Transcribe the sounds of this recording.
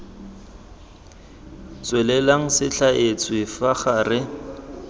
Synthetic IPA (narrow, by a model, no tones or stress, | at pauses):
t͡sʼwɛlɛlaŋ̩sɪɬaʔet͡sʰʼwɪfaχarɪ